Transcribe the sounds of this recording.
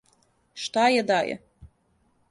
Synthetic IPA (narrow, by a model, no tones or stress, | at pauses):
ʃt̪aːjad̪aːjɛ̰